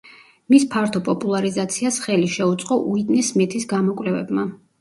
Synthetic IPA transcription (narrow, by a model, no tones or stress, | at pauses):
mispʰaɾt̪ʰɔpʼɔpʼulˠaɾizat̪sʰiasχɛliʃɛut̪sʼqʼɔʔuid̪nismɛt̪ʰisɡamɔkʼvlɛvɛ̰bma